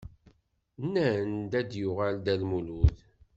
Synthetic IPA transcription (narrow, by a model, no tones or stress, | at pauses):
nːænd̪æd̪juʁald̪ælmuluð